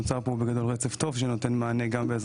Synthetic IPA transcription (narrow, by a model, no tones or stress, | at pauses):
ut͡saʁpobeɡad̪o̞lʁet͡se̞fto̞vʃeno̞t̪e̞nmaːne̞ɡambeːz